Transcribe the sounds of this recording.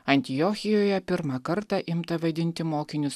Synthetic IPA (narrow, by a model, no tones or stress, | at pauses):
ɐnʲt̪ʲɪjoːxʲɪjoːjɛpʲɪɾmɑkɐɾt̪ɑʔɪmt̪ɐʋɐd̪ʲɪnʲt̪ʲɪmoːkʲɪnʲʊs